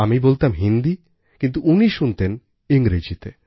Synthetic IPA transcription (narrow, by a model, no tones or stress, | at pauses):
amibolt̪amɦind̪i | kint̪̬uuniʃunt̪en | iŋɡɾed͡ʑit̪e